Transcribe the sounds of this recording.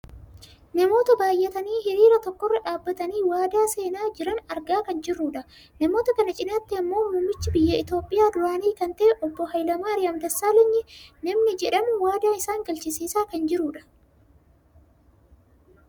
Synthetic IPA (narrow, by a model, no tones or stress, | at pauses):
nɐmo̞ːt̪ɐbaːjːɛt̪ɐniːhɪɾiːɾɐt̪ɔkːɔrːɐᶑaːbːɐt̪ɐniːwaːd̪aːse̞ːnaːd͡ʒɪɾɐnɐɾɡaːkɐnd͡ʒɪrːʊᶑɐ | nɐmo̞ːt̪ɐkɐnɐt͡ʃʼɪnɐt̪ːɪɐmːo̞ːmʊmːɪt͡ʃːɪbɪjːɐɪt̪o̞ːpʼːɪjaːd̪ʊɾaːniːkɐnt̪ɐʔɛʔɔbːɔhɐjlɐmaːɾɪjɐmd̪ɐsːaːlɪɲːɪnɐmnɪd͡ʒɛᶑɐmʊwaːd̪aːɪsaːŋɡɐlt͡ʃɪsiːsaːkɐnd͡ʒɪɾuːᶑɐ̥